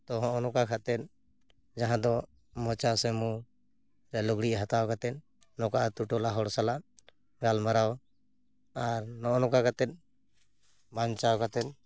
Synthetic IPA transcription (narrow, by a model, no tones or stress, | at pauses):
t̪ɔɦɔ̃ʔɔnɔkakʰat̪ɛt̪̚ | d͡ʒaɦãd̪ɔ | mɔ̃t͡ʃasɛmu | ɾɛlɔɡɽiʔɦat̪awkat̪ɛn̚ | nɔkaʔt̪uʈɔlaɦɔɽsalaʔ | ɡalmaɾaw | aɾnɔʔɔnɔkakat̪ɛt̪̚ | baɲt͡ʃawkat̪ɛt̪̚